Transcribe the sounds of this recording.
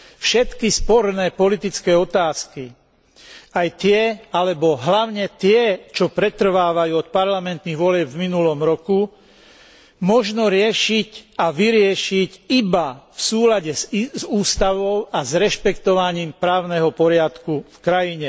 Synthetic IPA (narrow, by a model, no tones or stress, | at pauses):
fʃɛt̪kispɔɾnɛːpɔlit̪it͡skɛːɔt̪aːski | ajt̪ɪɛalɛbɔɦlaʊɲɛt̪ɪɛt͡ʃɔpɾɛt̪r̩ʋaːʋajuːɔt̪̚paɾlamɛnt̪niɣʋɔlɪɛbvminulɔmɾɔku | mɔʒnɔɾɪɛʃicaʋiɾɪɛʃicibafsuːlaɟɛzuːst̪aʋɔʊazɾɛʃpɛkt̪ɔʋaɲiːmpɾaːʊnɛɦɔpɔɾɪat̪kufkɾajiɲɛ